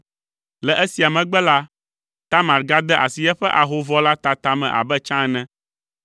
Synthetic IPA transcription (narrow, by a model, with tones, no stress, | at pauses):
lɛ˨ʔɛ˦si˨a˨mɛ̃˨ɡ͡bɛ˦la˦ | t̪a˦mã˨ɾɡa˦d̪ɛ˦ʔa̰˨si˨jɛ˦ɸɛ˦ʔa˨ɦo˦vɔ˦la˦t̪a˨t̪a˨mɛ̰̃˨ʔa̰˨bɛ˦t͡ʃã˦ɛ˦nɛ̃˦